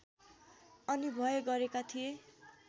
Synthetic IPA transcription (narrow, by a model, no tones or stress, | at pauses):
ʌnibʱʌeɡʌɾekat̪ʰie